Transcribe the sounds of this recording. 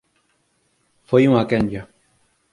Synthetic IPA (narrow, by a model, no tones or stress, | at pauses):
fojuŋakeɲd͡ʒa